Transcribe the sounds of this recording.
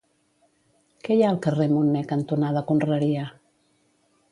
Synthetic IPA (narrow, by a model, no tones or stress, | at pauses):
kɛjaəlˠkəremunːɛkənt̪unaðəkunrəɾiə